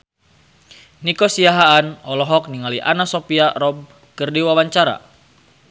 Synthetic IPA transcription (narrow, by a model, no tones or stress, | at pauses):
nikɔsiaɦaːnɔlɔɦɔk̚niŋaliʔa̰nasɔpiaɾɔb̚ | kɨrdiwawaɲt͡ʃaɾa̰